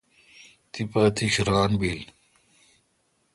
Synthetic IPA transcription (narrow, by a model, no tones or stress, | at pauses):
t̪ipɐt̪iɕɾaːnbil